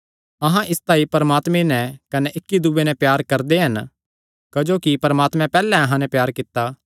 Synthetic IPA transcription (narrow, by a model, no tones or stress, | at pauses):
ɐɦãʔɪst̪aːipɐɾəmaːt̪mẽnɛkɐnɛʔɪkːid̪ʊbenɛpjaːɾkɐɾd̪eɦɐn | kɐd͡ʒoːkipɐɾəmaːt̪mɛ̃pɛːlɛ̃ɐɦãnɛpjaːɾkɪt̪ːa